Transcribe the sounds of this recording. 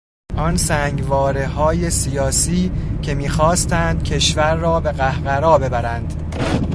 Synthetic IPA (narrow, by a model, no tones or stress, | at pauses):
ʔɒnsæːŋɡvɒːɾehɒːje̞sijɒːsiːcʰe̞miːxɒːst̪ænd̪̚cʰe̞ʃvæɾːɒːbe̞ɣæhɢæɾɒːbe̞bæɾænd̪